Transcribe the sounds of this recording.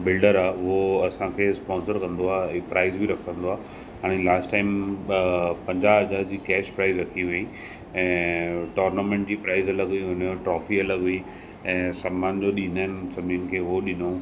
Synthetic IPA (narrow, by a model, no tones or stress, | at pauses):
bɪlɖəɾaɦʊɦoɐsãkʰeːspɔːnsəɾkɐ̃nd̪oaːpɾaːɪzbʱiɾɐkʰə̃nd̪oaː | ɦaːɽ̃elaːsʈaːɪm | pɐ̃ɲd͡ʑaːd͡ʑaːd͡ʑiːkɛːʃpɾaːɪzɾɐkʰiʋeĩ | ɛ̃ːʈɔːɾnamẽɳʈ̚d͡ʑiːpɾaːɪzɐləɡɦʊiɦʊnoʈɾɔːfiɐləɡɦʊi | ɛ̃ːsaːmaːnd͡ʑoːɗin̤aːɪnɪsɐmʱinkʰeːɦoɗɪno